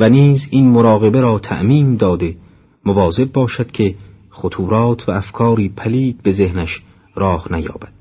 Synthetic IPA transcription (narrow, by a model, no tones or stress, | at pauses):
væniːzinmoɾɒːɣe̞beɾɒːt̪ʰæ̰ʔmiːnd̪ɒːd̪e | movɒːzeb̚bɒːʃæd̪̥̚kʰe̞ | χot̪ʰuːɾɒːt̪ʰvæːfkʰɒːɾiːpʰæliːd̪̚be̞ze̞hnæʃ | ɾɒːhnæjɒ̰ːbæd̪̥